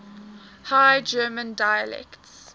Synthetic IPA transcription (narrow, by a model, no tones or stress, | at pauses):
haɪd͡ʒɜːmə̃ndajəlɛ̰kts